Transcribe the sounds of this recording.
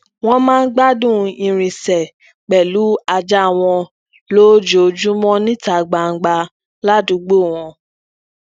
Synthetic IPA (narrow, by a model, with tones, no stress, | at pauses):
w̃ɔ̃˦mãː˦˧n̩˦ɡ͡ba˦dũ˦ĩ˧ɾ̃ĩ˨sɛ˨ | k͡pɛ˨lu˨˦a˧d͡ʒa˦˨w̃ɔ̃˧ | lo˦d͡ʒo˨d͡ʒu˦mɔ̃˦nĩ˦ta˨ɡ͡ba˨ŋ̩˨ɡ͡ba˧ | la˦dũ˨˧˦ɡ͡bo˦˨w̃ɔ̃˧